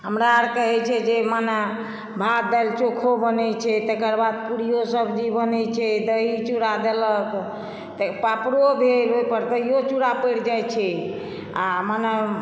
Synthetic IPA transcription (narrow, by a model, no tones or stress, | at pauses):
ɦəmɾaɾkəɦɛt͡ʃʰɛd͡ʒemane | bʱatd̪alt͡ʃokʰobənɛt͡ʃʰɛt̪əkəɾbad̪̚kuɽijosəbd͡ʒibənɛt͡ʃʰɛd̪əit͡ʃuɽad̪elək | t̪əpapɾobʱelɦopəɾt̪əjot͡ʃuɽapəjɽd͡ʒajt͡ʃʰɛ | a̰mane